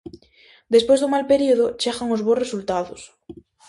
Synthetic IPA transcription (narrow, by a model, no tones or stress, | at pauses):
d̪espwezðuŋmalpeɾioð̞ot͡ʃeɣaŋozβoresult̪aðos